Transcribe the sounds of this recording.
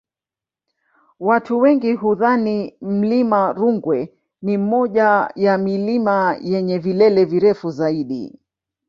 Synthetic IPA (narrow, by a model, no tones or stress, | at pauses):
watuwɛŋɡiɦuðanim̩limaɾuŋɡwɛ | nim̩mɔʄajamilimajɛɲɛvilɛlɛviɾɛfuzaiɗḭ